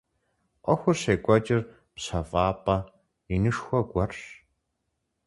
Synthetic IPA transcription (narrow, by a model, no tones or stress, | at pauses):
ʔʷɔxʷʊrɕeːɡʷʼɐt͡ʃʼɪr | pɕɐfʼɑːpʼɐ | inɨʂxʷɔɡʷɔrɕ